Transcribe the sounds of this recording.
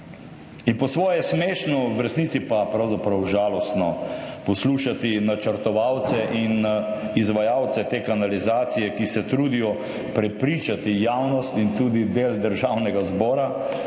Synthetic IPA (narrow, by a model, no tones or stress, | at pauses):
inpɔsʋɔːjɛsmeːʃnɔwɾɛsniːt̪sipapɾawzapɾɐwʒaːlɔst̪nɔpɔsluːʃat̪inat͡ʃəɾt̪ɔʋawt̪sɛʔinizʋajawt̪sɛt̪eːkanalizaːt̪sijɛkisɛt̪ɾuːd̪ijɔ | pɾɛpɾiːt͡ʃat̪ijaːwnɔst̪int̪uːd̪id̪eld̪əɾʒawnɛɡazbɔːɾa